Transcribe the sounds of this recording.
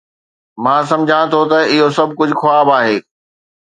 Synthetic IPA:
mãːs̬ɐ̃md͡ʑʱãt̪ʰot̪ɐɪɦosɐbʱkʊd͡ʑʱʊxoaːbaːɦeː

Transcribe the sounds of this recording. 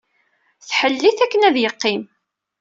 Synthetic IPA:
θħəlːiθækːənæðjəqːim

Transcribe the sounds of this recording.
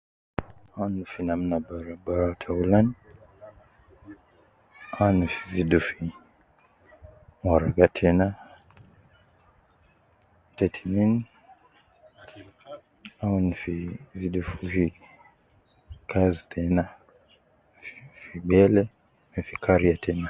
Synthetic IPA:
anufinam̩nabaɾabaɾatʰaulan | anufi̥zidufi | mwaɾaɡatʰɛna | tɛtʰi̥nin | aunufiziɗufuvi | kʰazitʰɛna | fi̥fiɓɛlɛ | nafikʰaɾiatʰɛna

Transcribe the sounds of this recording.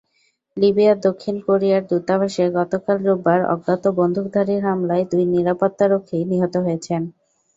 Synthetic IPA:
libiad̪okʰːinkoɾijaɾd̪ut̪abaʃeɡɔt̪okalɾubːaɾɔ̰ɡɡat̪obond̪ʱuk̚d̪ʱaɾiɾɦamlaed̪ujniɾapot̪ːaɾokʰːeniɦot̪oɦojet͡ɕʰen

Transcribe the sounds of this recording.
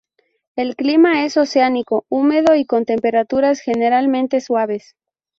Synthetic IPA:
e̞lklimae̞so̞seaniko̞ume̞ðo̞iko̞nt̪e̞mpe̞ɾat̪uɾasxe̞ne̞ɾalmẽ̞nt̪e̞swaβ̞e̞s

